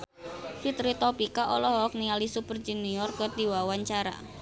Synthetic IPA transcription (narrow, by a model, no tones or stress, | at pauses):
fit̪ɾit̪ɔpikaʔɔlɔɦɔɔk̚nialisupərd͡ʒuniɔrɡɔrd̪̥iwawaɲt͡ʃaɾa̰